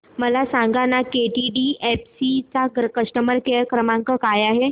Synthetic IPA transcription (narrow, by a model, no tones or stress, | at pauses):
məlasãŋɡanakeʈiɖiepsit͡saɡɾəkəʂʈəməɾkeəkɾəmaŋkəkajaɦe